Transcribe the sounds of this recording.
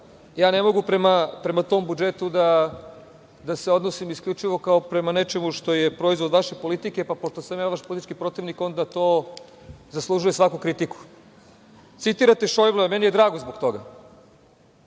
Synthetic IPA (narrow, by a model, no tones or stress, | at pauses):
jaːnemo̞ɡupɾemapɾe̞mat̪o̞ːmbud͡ʒe̞t̪ud̪a | d̪ase̞o̞d̪nosimiskʎʲut͡ʃiʋo̞kao̞pɾe̞mane̞t͡ʃe̞muʃt̪o̞jepɾo̞izʋo̞d̪ʋaʃepo̞lit̪ike̞papoʃt̪osamjaːʋaʃpolit̪it͡ʃkipɾo̞t̪iʋniko̞nd̪at̪oː | zaslˠuʒuje̞sʋakukɾit̪iku̥ | t̪sit̪iɾat̪e̞ʃojvlˠeamenijed̪ɾaːɡozbo̞kt̪o̞ɡa